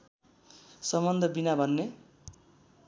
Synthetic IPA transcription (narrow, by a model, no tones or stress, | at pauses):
sʌmʌnd̪ʱʌbinabʱʌnːe